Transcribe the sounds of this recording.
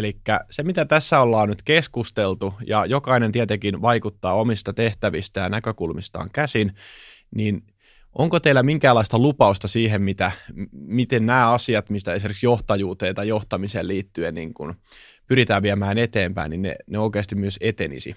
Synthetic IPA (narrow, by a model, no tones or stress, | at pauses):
elikːæsemit̪æt̪æsːæolːɑːnnyt̪keskust̪elt̪ujɑjokɑinent̪iæt̪ekinʋɑikut̪ːɑːomist̪ɑt̪eht̪æʋist̪æjɑnækøkulmist̪ɑ̰ːŋkæsin | niːn | ʔoŋkot̪eilːˑæmiŋkæːlːɑist̪ɑlupɑust̪ɑsiːɦemmit̪æmit̪ennæːɑsiɑt̪mist̪æesimerkiksjoht̪ɑjuːt̪eːt̪ɑjoht̪ɑmiseːlliːt̪ːyennḭːŋkun | pyɾit̪æːʋʋiæmæːnet̪eːmpæ̰ininnḛneoikeːst̪immyøset̪enḭsḭ